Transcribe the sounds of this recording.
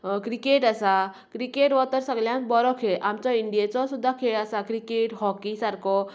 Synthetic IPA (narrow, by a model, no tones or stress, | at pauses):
kɾikeʈəsa | kɾikeʈʋɔt̪əɾsəɡljãnbɔɾɔkʰeʔamt͡sɔiɳɖijet͡sɔsud̪ʱːakʰeɭəsakɾikeʈɦɔkisaɾkɔ